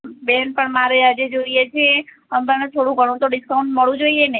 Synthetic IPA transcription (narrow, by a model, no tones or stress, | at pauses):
benpəɳmaɾead͡ʒed͡ʒoɾijet͡ʃʰe | əmanet̪ʰoɽũɡʱəɽ̃ũt̪oɖiskauɳʈməɭũd͡ʒoiene